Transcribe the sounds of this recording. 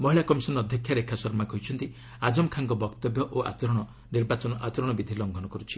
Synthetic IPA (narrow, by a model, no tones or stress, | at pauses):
mɔɦiɭakɔmisɔnːd̪ʱjɔkʰjaɾekʰasɔɾmakɔɦjt͡ʃʰɔnt̪i | ad͡ʒɔmkʰaŋkɔbɔkt̪ɔbjɔʔoa̰t͡ʃɔɾɔɽ̃ɔ | niɾbat͡ʃɔnɔʔat͡ʃɔɾɔɽ̃ɔbid̪ʱilɔŋɡʱɔnɔkɔɾut͡ʃʰi̥